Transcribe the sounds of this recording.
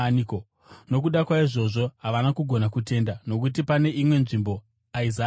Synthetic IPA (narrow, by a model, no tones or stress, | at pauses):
nko | no̞kuɗakwaiʐo̞ʐo̞ɦaʋanakuɡʱo̞nakute̞ndano̞k̬ut̬ipane̞ʔimwe̞nʐimbo̞ | aiza